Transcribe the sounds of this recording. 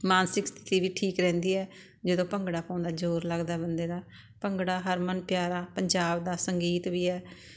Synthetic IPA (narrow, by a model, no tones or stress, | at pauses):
maːnsɪkst̪ʰɪ̥t̪iːʋiːʈʰiːkɾɛ̃ːnd̪iːɛː | d͡ʒəd̪õːpəŋɡɽaːpə̃ːʊ̃nd̪aːd͡ʒoːɾləɡd̪aːbənd̪eːd̪aː | pəŋɡɽaːɦəɾmənpjaːɾaːpəɲd͡ʒaːbd̪aːsəŋɡiːt̪ʋiːɛː